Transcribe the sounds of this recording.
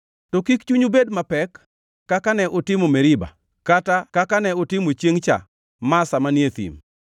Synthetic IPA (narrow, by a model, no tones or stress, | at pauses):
tokikt͡ʃuɲubedmapɛkː | akanɛʔʊtɪmomeɾɪba̰ | katakakanɛʊtɪmot͡ʃjeŋt͡ʃa̰ | masamanjet̪ḭm